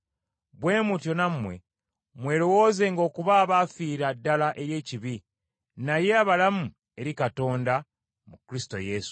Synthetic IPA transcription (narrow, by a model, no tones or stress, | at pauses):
βwe̞ːmutjo̞namːwe̞̰ | mwe̞ːlo̞wo̞ːze̞ŋɡo̞ːkuβaːβafiːɾadːalaʔe̞ɾje̞ːciβi | naje̞aβalamu | e̞ɾikato̞ːnda | mukɾisi̥to̞̰je̞su̥